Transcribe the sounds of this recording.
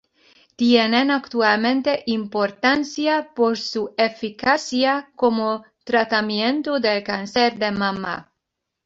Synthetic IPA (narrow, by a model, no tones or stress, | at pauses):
t̪jenenakt̪ualmẽ̞nt̪eʔimpoɾt̪ansjapoɾsuefikasjakomo | t̪ɾat̪amje̞nt̪oðelkanseɾd̪emama̰